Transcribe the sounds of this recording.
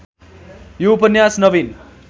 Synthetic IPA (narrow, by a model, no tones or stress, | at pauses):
juupʌnjasnʌbin